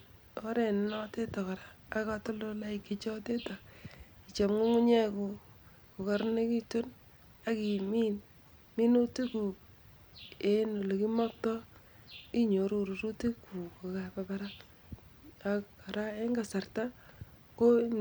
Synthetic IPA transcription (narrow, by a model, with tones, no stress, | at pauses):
o˦ɾe˨nnɔ˦te˦ta˨ka˨ɾaː˦ka˦to˦lo˦la˦ɪ˦kːi˦t͡ʃɔ˦te˦ta˨i˨t͡ʃa˨mŋu˦ŋu˦ɲɛ˦ku˨ | ko˨ka˨ɾne˦ki˦tu˦n | a˨ki˨mi˦n | mi˦no˦ti˦ku˨ | e˦no˨le˨ki˦mɔ˦k̚tɔ˦ | i˦ɲo˨ɾu˨ɾu˨ɾu˦te˦ku˨ko˨ka˨pa˨pa˦ɾa˦ | a˨kka˨ɾa˦e˦ŋɡa˨sa˨rta˦ | ko˦